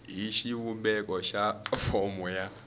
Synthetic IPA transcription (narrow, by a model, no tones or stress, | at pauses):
ɦiʃiwumbɛkʼɔʃafɔmuja